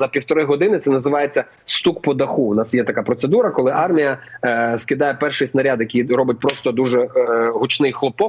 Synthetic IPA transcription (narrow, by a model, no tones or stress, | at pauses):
zɐpʲiwt̪ɔɾɪɦɔd̪ɪnɪt̪sɛnɐzɪʋɑjet͡sʲːɐ | st̪ukpɔd̪ɐxuʊnɑsjɛt̪ɐkapɾɔt̪sed̪uɾɐkɔlˠɪʔɑrmʲijɐskɪd̪ɑjɛpɛrʃɪjsnɐɾʲad̪jɐkʲijɾɔbɪt̚ʲpɾɔst̪ɔd̪uʒɛɦʊt͡ʃnɪjxlˠɔpɔk̚